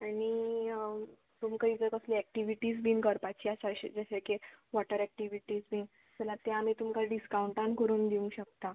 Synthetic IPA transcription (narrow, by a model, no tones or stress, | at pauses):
ani | t̪umkəid͡zəkəsliɛk̚ʈiʋiʈiːd͡zbinkəɾpat͡ɕiːaɕaɕḛd͡zəɕekeʋɔʈəɾɛk̚ʈiʋiʈiːd͡zbin | t̪ɛlat̪eamit̪umkaɖiskawuɳʈãnkəɾuːnd̪iũŋɡɕək̚t̪a